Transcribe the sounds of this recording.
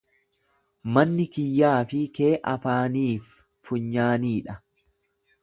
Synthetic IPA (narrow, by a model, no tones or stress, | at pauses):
mɐnːɪkɪjːaːfɪkeːʔɐfaːniːfː | ʊɲːaːniːᶑɐ